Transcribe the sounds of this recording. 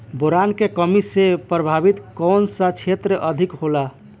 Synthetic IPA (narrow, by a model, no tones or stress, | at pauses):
boɾankekəmisepɾəbʱabit̪kɔnsət͡ʃʰet̪ɾəʔəd̪ʱikɦola